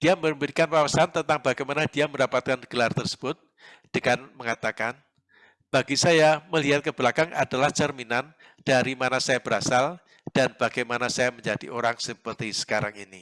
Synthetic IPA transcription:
d̥iaməɾəmbiɾikanpawasant̪ənt̪aŋbaɡajmanad̥iaməndapat̪̚kanɡ̥əlart̪ərsə̥b̥ʊt̪̚ | d̥əŋanməŋat̪akan | b̥aɡisajaməliɦat̪̚kəb̥əlakaŋʔa̰dalahd͡ʒərminan | d̥aɾimanasajab̥əɾa̰sal | d̥anb̥aɡajmanasajaməɲd͡ʒad̥ḭʔoɾaŋsəpərt̪isə̥kaɾaŋini

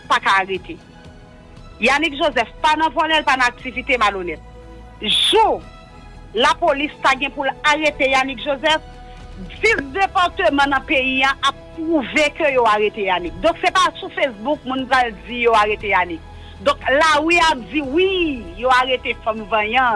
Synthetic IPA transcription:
pakaːʁet̪e | janikʒozɛfpanãvɔnɛlpanãak̚t͡sivit̪emalonɛt̪̚ | ʒu | lapolist̪aɡɛ̃pulaʁet̪ejanikʒozɛf | d͡zisd̪epaʁt̪ømɐ̃nɐ̃peiãʔapːʁuvekøjoaɣet̪ejanik̚d̪ɔ̃ksepasufesbuk̚mũnpʁald͡zijoaɣet̪ejanik | d̪ɔ̃klawiap̚d͡ziwijoaʁet̪efɔ̃mvɐ̃jɐ̃

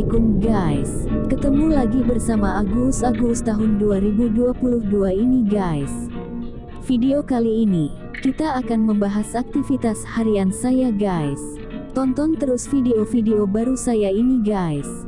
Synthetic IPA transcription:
kʊmɡajs | kət̪əmulaɡibərsamaaɡusaɡust̪aɦʊnduaɾibuduapuluhduainiɡajs | fideokaliːni | kit̪aːkanməmbaɦasak̚t̪ifit̪ashaɾiansajaɡajs | t̪ɔnt̪ɔnt̪əɾʊsfideofideobaɾusajainiɡajs

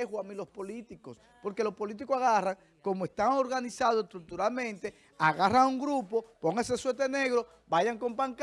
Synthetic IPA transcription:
exwamilo̞spo̞lit̪iko̞s | po̞ɾke̞lo̞spo̞lit̪̬ikosaɣaraŋ | ko̞moe̞st̪aŋo̞ɾɣanisaðoest̪ɾuk̚t̪uɾalmẽ̞nt̪e̞ | aɣarauŋɡɾupo̞po̞ŋaseswet̪ene̞ɣɾo̞ | baʝaŋko̞mpaŋk

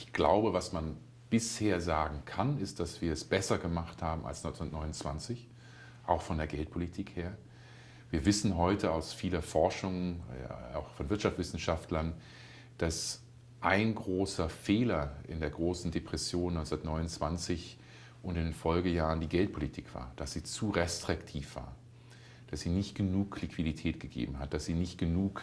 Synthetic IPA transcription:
ʔɪçɡ̥la̰ʊbəvasman | b̥ɪsheːɐzaːɡŋ̩kʰanɪst̚d̥asv̥iːɐɛsb̥ɛsɐɡəmaχthaːbm̩a̰lsnɔ̃ʏnt͡ssnɐtnɔʏnʊnt͡sv̥a̰nt͡sɪç | ʔaʊxfɔndeːɐɡɛlt̚pʰolitʰiːkheːɐ | viːɐvɪsn̩ɦɔʏtʰəaʊsfiːlɐfɔɐʃʊŋ | a̰ʊxfɔnvɪɐtʃaftt͡sv̥ɪsn̩ʃaftlɐn | d̥as | ʔaɪnɡʁoːsɐfeːlɐɪ̰ndeːɐɡʁoːsn̩depʁ̥ɛsjoːnɔʏnt͡ssnɐtnɔʏnʊnt͡sv̥ant͡sɪç | ʔʊntɪndenfɔlɡəjaːʁəndiːɡɛlt̚pʰolitʰiːkv̥a̰ːɐd̥asz̥iːt͡suːʁɛstʁ̥ɪktʰiːfv̥a̰ːɐ | d̥asz̥iːnɪçtɡ̥ənuːkʰlɪkv̥iditʰɛːtɡ̥əɡḛːbm̩ɦat̚d̥asz̥iːnɪçtɡ̥ənuːk

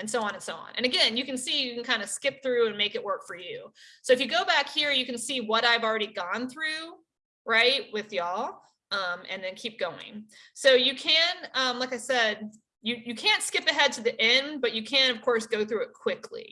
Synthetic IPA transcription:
ɨ̃nsoʊɑ̃nə̃nsoʊɑ̰̃nʔɨ̰̃nɨɡɛ̃njɨkɨ̃n̩sijɨkn̩kʰãɪ̃ndɨskɪp̚θɹʉɨ̃nmeɪkɨʔ̚wɜ˞kfə˞jʉsoʊɨfjɨɡoʊbækhiɹjɨkɨ̃n̩siwʌɾaɪvl̩ˠɹɛɾiɡɔ̃nθɹʉ | ɹaɪt̚wɪðjɔ | ʌ̃mɨ̰̃nðɨ̃nkʰip̚ɡ̥oʊɪ̰̃ŋ | soʊjɨkʰɨ̃nʌ̃mlaɪkaɪsɛd̚ | jɨjɨkʰæ̃ntskɪpɨɦɛd̚tʰɨðiʔɛ̃nbʌt͡ʃɨkʰɨ̃nʌv̥kʰɔɹsɡ̥oʊθɹʉɨt̚kʰw̥ɪkʰlḭ

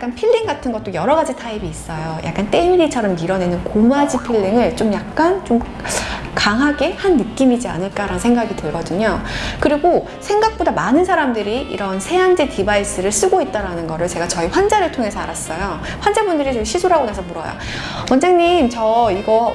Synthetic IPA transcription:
k͈anpʰiʎːiŋɡatʰɯnɡʌt̚t͈ojʌɾʌɡad͡ʑitʰaibiːs͈ʌjojʔa̰k͈ant͈e̞miɾit͡ɕʰʌɾʌmdiɾʌne̞nɯnkomuad͡ʑipʰiɭːiŋɯɭt͡ɕomjak̚k͈ant͡ɕom | kaŋɦaɡe̞hanːɯk͈imid͡ʑia̰nɯɭk͈aɾanɯnsʰe̞ŋɡaɡitɯɭɡʌdɯɲokɯɾiɡo | sʰe̞ŋɡak̚p͈odamanɯnsʰaɾamdɯɾiḭɾʌnsʰe̞and͡ʑetibais͈ɯɾɯɭs͈ɯɡoit̚t͈aɾanɯnɡʌɾɯɭt͡ɕe̞ɡat͡ɕʌiɸwand͡ʑaɾɯɭtʰoŋɦe̞sʰʌaɾas͈ʌjo | ɸwand͡ʑabundɯɾit͡ɕʌiɕʰisʰoɾɦaɡonasʰʌmuɾʌ̰jo̰ | wʌnd͡ʑeŋɲimt͡ɕʌiɡʌ

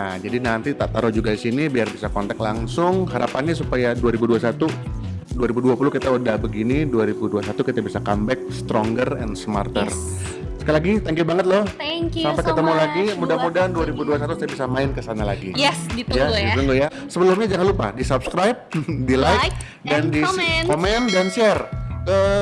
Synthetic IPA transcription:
ad͡ʒadinant̪it̪aʔt̪aɾod͡ʒuɡadisinibiarbisakɔnt̪ɛk̪̚laŋsʊŋɦaɾapanɲasupajaduaɾibuduasat̪u | duaɾibuduapulukit̪audahbəɡiniduaɾibuduasat̪ukit̪abisakambɛk̚st̪ɾɔŋɡərɛ̰nsəma̰rt̪ə̰r | sə̥kalaɡit̪aŋkibaŋət̪̚lɔhsampaejkət̪əmulaɡimudamudanduaɾibuduas̬at̪usabisamaɪnkəsanalaɡijɛsijadiəŋɡoja | səbəlʊmɲad͡ʒaŋanlupa̰disap̚skɾajp̚dilajk | dandikomɛndanʃɛrə

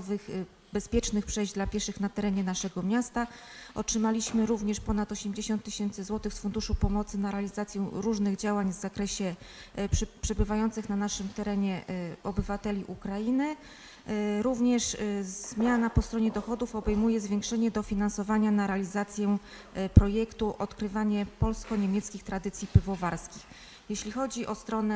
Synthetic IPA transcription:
vɘx | bɛspʲjɛt͡ʂnɘxpʂɛjʑd͡ʑd̪lapʲjɛɾʂɘxnat̪ɛɾɛɲɛnaʂɛɡɔmʲjast̪aɔtʂɘmalʲiɕmɘɾuvɲɛʂpɔn̪at̪ɔɕɛmʲd͡ʑeɕɔnt̪ːɘɕɛnt̪sɘzwɔt̪ɘxsfund̪uʂupɔmɔt̪sɘnaɾɛalʲizat̪sʲjɛɾuʐnɘɣd͡ʑawaɲvzakɾɛɕɛ | pʂɛbɘvajɔnt̪sɘxnanaʂɘmt̪ɛɾɛɲɛɔbɘvat̪ɛlʲiʔukɾajinɘ | ɾuvɲɛʂz̥mʲjanapɔst̪ɾɔɲɛd̪ɔxɔd̪ufɔbɛjmujɛzvʲjɛ̃ŋkʂɛɲɛd̪ɔfʲinansɔvaɲanaɾɛalʲizat̪sʲjɛ | pɾɔjɛkt̪uʔɔt̪kɾɘvaɲɛpɔlskɔɲemʲjɛt̪skʲixt̪ɾad̪ɘt̪sʲjipɘvɔvaɾskʲix | jɛɕlʲixɔd͡ʑiʔɔst̪ɾɔnɛ

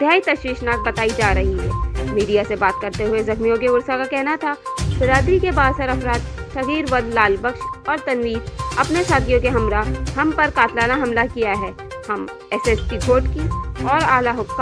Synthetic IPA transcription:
d̪̥ʱjaːit̪ɐʃwiːʃnaːk̚bɐt̪aːid͡ʒaːɾɐɦiɦɛ̰ːmiːɖijasebaːt̪̚kɐɾt̪eɦʊezɐxmijõkeʊɾsakakɛɦnat̪ʰabɪɾaːd̪ɾikebaːd̪səɾɐfɾaːt̪ʃɐɦiːɾʋɐd̪laːlbəkʃɔːɾt̪ɐnɾiːsɐpnesaːt̪ʰijõkeɦɐmɾahɐmpɐɾkaːt̪ʰlaːnaɦɐmlakijaɦɛː | hɐm | ɛsɛsʈiɡʰʱoːʈkiɔːɾaːlaɦʊkːa

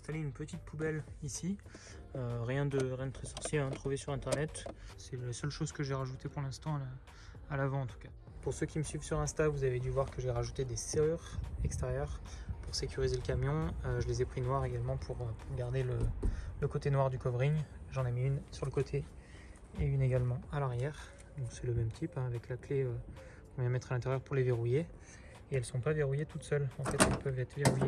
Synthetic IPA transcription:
ɛ̃st̪aleynpət̪it̪̚pʰubɛlisi | øʁjɛ̃d̪əʁjɛ̃d̪ət̪χɛsɔʁsjeãt̪χuvesyʁɛ̃t̪ɛʁnɛt̪sɛlasœlʃozkəʒeʁaʒut̪epuʁlɛ̃st̪ɑ̃alaː | lavɑ̃ɑ̃t̪u̥ka | puʁsøkʲiməsɥivsyʁɛ̃st̪avuzaved̪yvwaʁkəʒɛʁaʒut̪ed̪eseʁyʁɛkst̪eʁjœʁpuʁsekʲyʁizeləkamjɔ̃øʒəlezɛpχinwaʁeɡalmɑ̃pʰuʁøpuʁɡaʁd̪elələkot̪enwaʁd̪ykɔvʁiɲʒɑ̃nemiynsyʁləkot̪ʰe | eyneɡalmɑ̃alaʁjɛʁ | d̪ɔ̃ksɛləmɛmt̪ʰipɛ̃avɛklakleø | kɔ̃vjɛ̃mɛt̪χalɛ̃t̪ɛʁjœʁpuʁleveʁuje | eɛlsɔ̃paveʁujet̪ut̪sœlɑ̃fɛt̪ɛlpœvɛt̪χveʁuje

